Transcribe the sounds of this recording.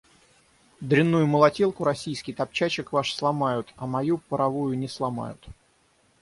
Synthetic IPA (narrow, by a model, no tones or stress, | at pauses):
d̪ɾʲɪnːujʊməlˠɐtʲelˠkʊɾɐsʲijskʲɪjt̪ɐp̚t͡ɕat͡ɕɪkvaʂslˠɐmajʊt̪ɐmɐjupəɾɐvujʊnʲɪslˠɐma̰jʊ̰t̪